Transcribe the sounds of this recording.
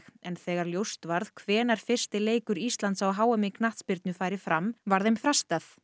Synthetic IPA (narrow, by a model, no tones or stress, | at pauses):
ɛnθɛːɣaɾljowst̪vaɾðkʰvɛːnaɾ̥fɪr̥st̪ɪleːjkʏɾist̪lant̪sawɦaːwɛmɪknaht̪spɪɾt̪̚nʏfaːjɾɪfɾamvaɾðejmfɾast̪aθ